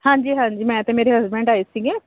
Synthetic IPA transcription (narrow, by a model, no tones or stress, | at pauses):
hãːɲd͡ʒiːɦãːɲd͡ʒiːmɛ̃ːət̪ẽmeːɾeɦəzbɛ̃ɳɖaːesiɡẽː